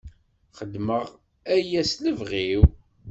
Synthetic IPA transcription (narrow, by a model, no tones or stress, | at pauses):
χəd̪məʁ | æjæsləvʁiw